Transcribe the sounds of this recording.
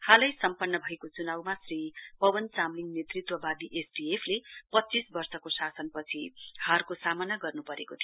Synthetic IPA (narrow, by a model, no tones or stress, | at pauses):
halʌjsʌmpʌnːʌbʱʌjkot͡sunawmasripʌbʌnt͡samliŋnet̪rit̪wʌbad̪iʔesʈiepʰlepʌtːt͡sisbʌrsʌkosasʌnpʌt͡sʰihʌrkosamʌnaɡʌrnupʌɾekot̪ʰijo